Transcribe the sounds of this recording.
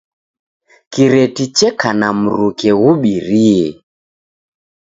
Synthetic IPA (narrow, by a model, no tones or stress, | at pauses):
kiɾɛtit͡ʃɛkʰanam̩ɾukɛɣuɓiɾiɛ